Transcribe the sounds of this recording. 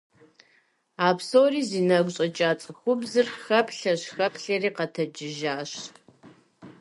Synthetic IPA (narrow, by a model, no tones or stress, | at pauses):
aːpʰsoːriːziːnɐɡʷɕʼɐt͡ʃʼaːt͡sʼɨxʷʊbzɨrxɐpʰɬɐɕxɐpʰɬɐriːqɐtʰɐd͡ʒɪʒaːɕ